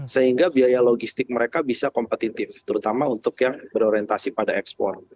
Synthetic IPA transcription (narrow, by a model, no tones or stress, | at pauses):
səɦiŋɡabiajaloɡist̪ɪk̚məɾekabisakɔmpət̪it̪ɪft̪əɾut̪amaunt̪ʊkjaŋbəɾoɾiɛnt̪asipadaɛkspɔ̰r